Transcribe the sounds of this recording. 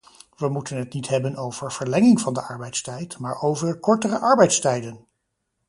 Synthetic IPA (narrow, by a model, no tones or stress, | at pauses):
ʋəmutənɦətnitɦɛbənowv̥əɹv̥əɹlɛŋɪŋvɑndəʔɑɹbɛjtstɛjtmaːɹowvərəkɔɹtərəʔɑɹbɛjtstɛjdən